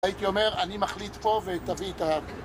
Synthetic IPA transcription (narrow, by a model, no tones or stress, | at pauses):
it̪io̞me̞ʁanimaχlit̪po̞vet̪avit̪a